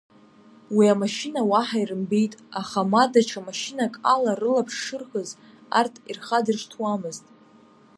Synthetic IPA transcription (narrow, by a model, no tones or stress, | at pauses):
wiamaʃinawaħairɨmbejtʼaχamadat͡ʃʰamaʃinakʼalarɨlapʰʂːɨrχəz | a̰rtʰirχadɨrʂtʰwamɨztʼ